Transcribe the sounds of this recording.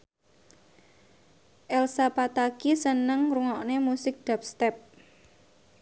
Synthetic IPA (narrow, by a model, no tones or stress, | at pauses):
ʔɛlsapat̪akisənəŋruŋɔʔnemusɪk̚d̪̥a̤p̚st̪ɛp̚